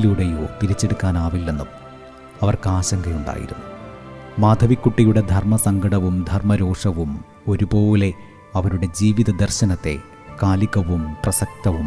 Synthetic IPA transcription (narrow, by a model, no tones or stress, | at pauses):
luɽejoːt̪iɾit͡ɕːe̞ɽukːaːnaːʋilːe̞nːum | ɐʋɐrkaːɕɐŋɡɐjuɳɖa̰ːjḭɾunːumaːd̪ʱɐʋikːuʈːijuɽe̞d̪ʱɐrmɐsɐŋɡɐɽɐʋumd̪ʱɐrmɐɾo̞ːʂɐʋum | o̞ɾubo̞ːle̞ | ɐʋɐɾuɽe̞d͡ʑiːʋiðɐd̪ɐrɕɐnɐt̪ːe̞̰ | kaːliɣɐʋumprɐsɐk̚t̪ɐʋum